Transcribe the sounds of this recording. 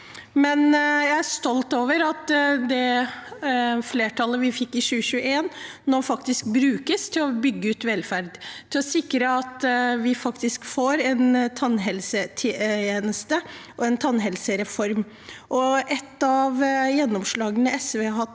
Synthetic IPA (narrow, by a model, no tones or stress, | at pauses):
mɛnjæɪæʂt̪ɔlt̪oːʋəɾɑt̪d̪ɛ | fleːʈʰɑləʋɪfɪkːɪɕʉːəɕʉːəeːn | nɔɾfɑkt̪ɪsk̚bɾʉːkəst̪ʰɪlɔbʏɡːəʉːt̪ʋɛlfæɾd̪t̪ʰɪlɔsɪkɾəɑt̪ʋɪfɑkt̪ɪskfoːɾɛnt̪ʰɑnɦɛlsət̪ʰːeːnəst̪əʔɔɛnt̪ʰɑnɦɛlsəɾɛfɔɾm | ʔɔʔɛt̪ːɑʋjɛnːɔmʂɭɑːɡənəɛsʋeːɦɑt̪ː